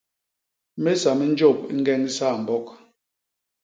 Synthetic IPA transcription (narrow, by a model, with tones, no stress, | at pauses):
me˦sa˨me˦n̩˦d͡ʒo˦˨p̚i˦ŋ̩˦ɡɛ˦ŋi˦sa˦˨m̩˨bɔ˦k